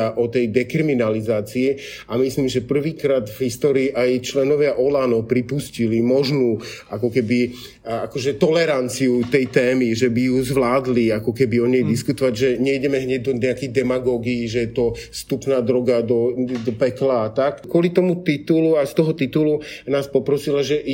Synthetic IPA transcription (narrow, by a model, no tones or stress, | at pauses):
aʔɔt̪ɛjd̪ɛkɾiminalizaːt͡sii | amisliːmʒɛpr̩ʋiːkɾaːd̪vɦist̪ɔːɾiːʔajt͡ʃlɛnɔʋɪaʔɔlaːnɔpɾipuscilimɔʒnuːʔakɔkɛbi | akɔʒɛt̪ɔlɛɾant͡siut̪ɛjt̪ɛːmiʒɛbijuzʋlaːd̪liakɔkɛbiɔɲɛjd̪iskut̪ɔʋaɟʒɛɲɛiɟɛmɛɦɲɛɟ̚d̪ɔɲɛakɛɣd̪ɛmaɡɔːɡiːʒɛjɛt̪ɔst̪upnaːd̪ɾɔɡad̪ɔd̪ɔpɛklaːt̪akkʊɔlit̪ɔmut̪it̪uluajst̪ɔɦɔt̪it̪ulunaːspɔpɾɔsilaʒɛ